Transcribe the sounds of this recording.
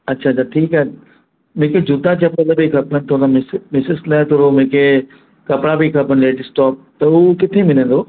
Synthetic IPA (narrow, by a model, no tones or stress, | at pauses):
ɐtːɕʰaːt͡ɕʰaːʈʰiːka | mʊ̃ɦɪ̃kʰed͡ʑʊd̪at͡ɕɐpələbɪkʰɐpənɪ̆t̪ʰoːnamɪsmɪsɪslɛ̃ːt̪ʰoɾomʊ̃ɦɪ̃kʰe | kɐpɽabikʰɐpənɪleːʈɪsʈɔːp̚t̪ɐukɪt̪ʰemɪnə̃n̆d̪oː